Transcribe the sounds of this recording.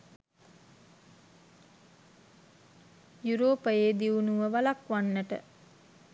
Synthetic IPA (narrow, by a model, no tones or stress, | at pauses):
juɾoːpəjeːd̪iunuʋəʋalakʋanːəʈə̰